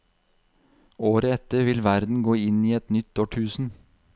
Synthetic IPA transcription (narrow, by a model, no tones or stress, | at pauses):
oːɾəɛt̪əɾʋɪlʋæɾd̪n̩ɡoːɪniːɛt̪nʏt̪oːʈʰʉːsn̩